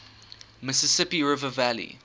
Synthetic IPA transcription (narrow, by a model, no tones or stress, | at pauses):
mɪsəsɪpiɹɪvəvælḭ